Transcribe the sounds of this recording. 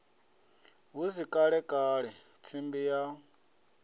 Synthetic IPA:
ɦusikʼaɺɛkʼaːɺɛ | t͡sʰimbija

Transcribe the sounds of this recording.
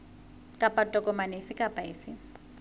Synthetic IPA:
kʼapʼatʼɔkʼɔmanɪfɪkʼapʼaɪːfɪ

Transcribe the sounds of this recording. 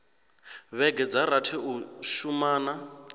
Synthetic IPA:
βɛɡɛd͡zaɾatʰɛuʃumaːna

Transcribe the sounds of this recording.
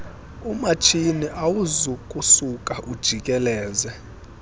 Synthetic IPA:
umat͡ʃʰiniʔawuzukʼusukʼaʔud̥ʒ̥ʱikʼɛlɛːzɛ

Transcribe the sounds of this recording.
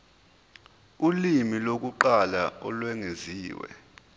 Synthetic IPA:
ulimilok̬uǃalaɔlwɛŋeziːwɛ̰

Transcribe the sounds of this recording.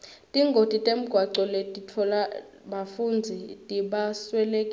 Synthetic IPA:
tʼiŋɡʱod̥ʱitʼem̩ɡ̥ʱwaǀɔletʼitʰɔla | ɓafund͡zʱitʼiɓaswɛlekʼi

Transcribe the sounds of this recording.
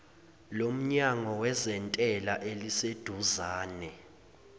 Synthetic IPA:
lom̩ɲaŋɔwɛzɛntʼɛlaʔelised̥ʱuzaːnɛ

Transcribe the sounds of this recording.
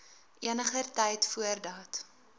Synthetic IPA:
ʔiənəχərtɛjtfuərdɑːt

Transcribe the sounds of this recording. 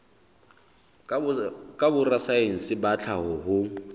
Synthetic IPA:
kʼabʊrasaen̩sɪbat͡ɬʰaɦʊɦʊ

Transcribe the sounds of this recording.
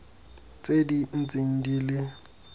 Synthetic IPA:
t͡sʼedin̩t͡sʼin̩diːlɪ

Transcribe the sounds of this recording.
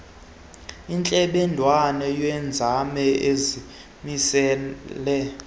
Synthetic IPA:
int͡ɬʼɛɓɛndʱwanɛjwɛnd͡zʱamɛezi | misɛːlɛ

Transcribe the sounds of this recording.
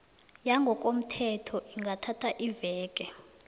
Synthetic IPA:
jaŋɡʱɔk̬ʼom̩tʰɛtʰɔʔiŋɡʱatʰatʰaʔivɛːk̬ʼɛ

